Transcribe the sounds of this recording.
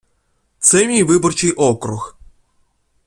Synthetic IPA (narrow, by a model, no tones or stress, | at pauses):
t̪sɛmʲijvɪbɔrt͡ʃɪjʔɔkɾux